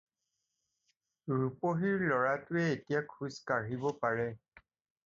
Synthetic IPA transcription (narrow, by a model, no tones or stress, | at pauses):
ɹupoɦiɹlɔɹatʊɛetijakʰuskaɹibɔpaɹɛ